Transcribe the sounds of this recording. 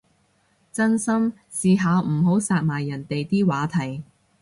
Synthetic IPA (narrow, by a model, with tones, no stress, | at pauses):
t͡sɐ˥nsɐ˥m | siː˨˧ɦaː˨˧wm̩˨˩ɦo˨˥wsaː˧t̚maː˨˩jːɐ˨˩nt̪e˨jt̪iː˥waː˨˥t̪ʰɐ˨˩j